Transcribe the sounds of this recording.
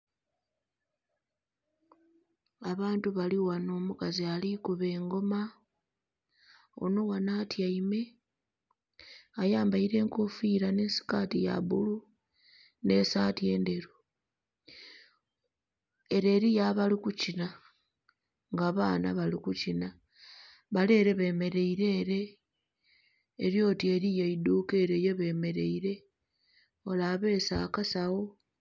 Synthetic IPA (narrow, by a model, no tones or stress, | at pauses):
aβaːntuβaliwano̞ːmukazialikuβe̞ːŋɡo̞ma | o̰no̞wanatjaime̞ | ajaːmbaiɾe̞ːŋkofiːɾane̞ːnsi̥kaːtija̰βṵlu | ne̞ːsaːtie̞ːnde̞ɾu | e̞ɾe̞ːɾijaβalikucina | ŋɡaβaːna̰βalikucina | βale̞ːɾe̞βe̞ːme̞ɾe̞iɾe̞ːɾe̞ | ɾjo̞ːtie̞ɾijaiduke̞ːɾejeβe̞ːme̞ɾe̞iɾe̞ | o̞laβe̞sakasaɣo̞